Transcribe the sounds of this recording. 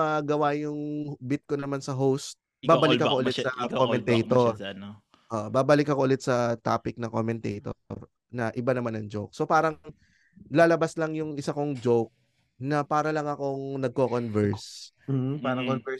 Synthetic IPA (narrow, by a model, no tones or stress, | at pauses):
ɐɡɐwajʊŋbɪt̪̚konɐmansɐɦowst̪̚ | baːbɐlɪkːɐkoʔʊlɛt̪sɐkkomɛnt̪ɛjt̪on | ʔoʔbaːbɐlɪkːɐkoʊlɛt̪̚sɐt̪a̰ːpɪk̚nɐkomɛnt̪ɛ̰jt̪o̰ɾ | nɐʔɪbanɐmanɐŋd͡ʒowk̚so̞paːɾɐŋ | laːlɐbaslɐŋjʊŋɪsakoŋd͡ʒowk̚ | nɐpaːɾɐlɐŋɐko̞ŋnɐɡ̚kokonvɛɹs | paːɾɐkonɛ